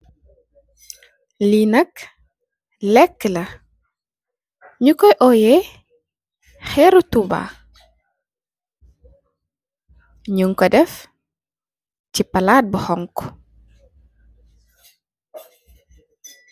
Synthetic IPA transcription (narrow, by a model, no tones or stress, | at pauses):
linɐk | lɛkːəlɐ | ɲukɔjʔɔjɛ | xɛɾutuba̰ | ɲuŋkɔdɛf | tipɐlaːt̚bəhɔŋkɔ